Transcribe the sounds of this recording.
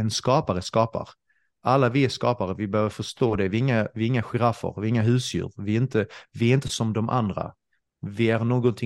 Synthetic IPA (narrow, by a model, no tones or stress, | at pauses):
ɛnskɑːpaɾəskɑːpa̰ɾ | ʔalːavɪɛʂkɑːpaɾəvɪbœœːvəɾfœʂt̪oːd̪ɛvɪɪŋːavɪɪŋːaɧɛɾafːə̰ɾvɪɪŋːaɦʉ̟ːsjʉ̰ːɾvɪɪnt̪əvɪɛɾɪnt̪əsɔmd̪ɔmʔa̰nd̪ɾa̰ | vɪæɾnoːɡɔnt̪ʰɪ